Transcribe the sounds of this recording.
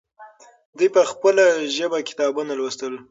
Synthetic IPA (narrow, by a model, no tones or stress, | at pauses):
d̪ujpəxpəlaʒəbakɪ̥t̪ɑbunalwəst̪əl